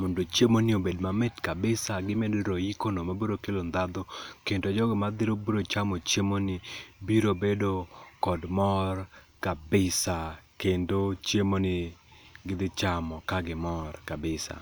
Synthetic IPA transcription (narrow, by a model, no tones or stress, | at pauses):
mondot͡ʃjemonɪobedmamɛtkabɪsaɡɪmedɾojikonomaboɾokelond̪ad̪okendod͡ʒɔɡɪmad̪ɪɾoboɾot͡ʃamɔt͡ʃemonɪbiɾobedokɔdmɔr | kabɪsakendot͡ʃjemonɪɡɪd̪ɪt͡ʃamɔkaɡɪmɔrkabɪsa̰